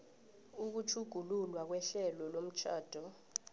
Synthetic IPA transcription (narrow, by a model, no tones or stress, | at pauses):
uk̬ut͡ʃʰuɡ̥ʱululwak̬wɛɬɛlɔlom̩t͡ʃʰaːd̥ʱɔ